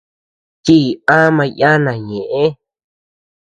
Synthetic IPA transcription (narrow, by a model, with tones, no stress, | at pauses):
t̪i˦˨ã˦mã˧jã˦nã˨ɲẽ˨ʔẽ˦